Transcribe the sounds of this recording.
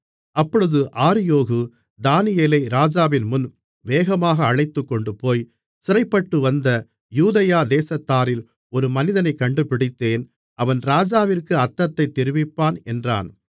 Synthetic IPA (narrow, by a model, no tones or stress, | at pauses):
ɐpːɔɻɯðɯʔaːɾɪjoːɣɯ | d̪aːnɪjeːlɐɪɾaːd͡ʒaːʋɪnmʊn | ʋeːɣɐmaːɣɐːɻɐɪt̪ːɯkːɔɳɖɯpoːj | sɪɾɐɪpːɐʈːɯʋɐnd̪ɐ | juːðɐjaːd̪eːsɐt̪ːaːɾɪl | ɔɾɯmɐnɪðɐnɐɪkːɐɳɖɯpɪɽɪt̪ːeːn | ʔɐʋɐnɾaːd͡ʒaːʋɪrkɯɐt̪ːɐt̪ːɐɪt̪ːɪɾɪʋɪpːaːnɛndra̰ːn